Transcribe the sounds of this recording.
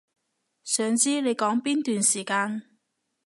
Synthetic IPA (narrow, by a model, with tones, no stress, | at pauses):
sœː˨ŋt͡siː˥ne˨˧jkɔː˨˥ŋpiː˥nt̪yː˨nsiː˨˩kaː˧n